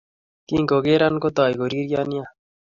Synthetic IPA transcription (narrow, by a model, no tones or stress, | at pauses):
kĩːŋkoɡeːɾankot̪ɑːjɡoɾiːɾjɑːnija